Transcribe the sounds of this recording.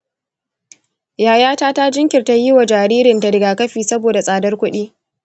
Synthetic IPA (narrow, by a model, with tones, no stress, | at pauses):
jaː˨jaː˦taː˦ta˦d͡ʒɪ˦ŋkʲɪ˨rta˦ji˦wa˨d͡ʒaː˨ɾiː˦ɾɪ˨nta˨ɾɪ˨ɡaː˨kɐ˦ɸiː˨sɐ˦boː˨da˨sʼaː˨dɐ˦rkʷʊ˦ɗiː˦